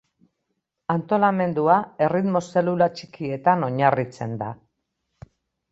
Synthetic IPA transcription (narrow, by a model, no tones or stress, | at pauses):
ant̪o̞lame̞nd̪uae̞rit̪mo̞se̞lulat͡ʃikie̞t̪ano̞ɲarit͡se̞nd̪a